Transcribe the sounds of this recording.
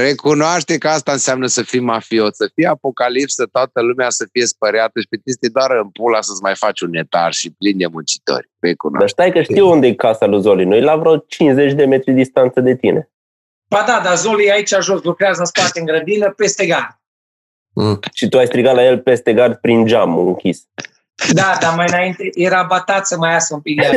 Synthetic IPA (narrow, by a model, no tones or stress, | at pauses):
re̞kunoaʃt̪e̞kəast̪aɨnseamnəsəfimːafio̞səfijeapo̞kalipsət̪oat̪əlumeasəfije̞spəɾeat̪əʃi̥pet̪ist̪ejd̪oaɾɨmpulasəsmajfat͡ʃʲune̞t̪a̰rʃiplind̪e̞munt͡ʃi̥t̪o̰rʲrekuno̰d̪aʃt̪ajkəʃt̪iwund̪eekasaluzolinujlavɾot͡ʃinze̞t͡ʃʲd̪e̞me̞t̪ɾid̪ist̪ant̪səd̪e̞t̪ine̞̰ | bad̪ad̪azoliait͡ʃaʒoslukɾeazəɨnspart̪eɨŋɡɾəd̪inəpest̪eɡard̪̚ | ʃit̪uajst̪ɾiɡat̪laje̞lpe̞st̪e̞ɡard̪pɾind͡ʒamuɨŋkʲis | d̪ad̪amajɨnaint̪ejeɾabat̪at̪səmajasəumpik̪̚e